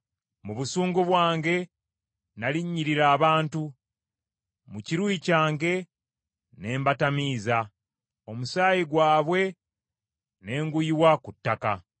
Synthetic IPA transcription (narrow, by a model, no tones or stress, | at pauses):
muβusuːŋɡoβwaːŋɡe̞ | naliɲːiɾiɾaːβaːntu | muciɾwiːcaːŋɡe̞ | ne̞ːmbatamiːza | omusaːjiɡwaːβwe̞ | ne̞ːŋɡujiwakutːaka